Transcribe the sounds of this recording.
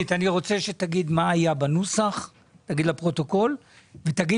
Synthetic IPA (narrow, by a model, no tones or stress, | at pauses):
it̪aniʁo̞t͡se̞ʃe̞t̪aɡid̪maːjabanusaχ | t̪aɡid̪lapʁo̞to̞ko̞l | vet̪aɡi